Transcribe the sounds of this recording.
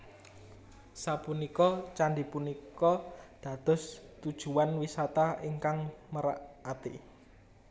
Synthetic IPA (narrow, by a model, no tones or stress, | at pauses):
sapunikɔt͡ʃaɳɖipunikɔd̪̥ä̤d̪̥ɔ̤st̪ud̥ʒ̥ṳwanwisat̪aiŋkaŋməɾaʔat̪ḭ